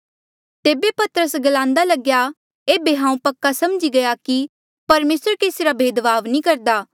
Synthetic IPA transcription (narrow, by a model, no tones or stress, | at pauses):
t̪eːbepɐt̪əɾəsɡɐlãːnd̪alɐɡja | eːbeɦãːũpɐkːasɐmd͡ʒiɡɐjaki | pɐɾmeːsɾkeːsiɾabʱeːd̪ʋaːʋnĩkɐɾd̪aː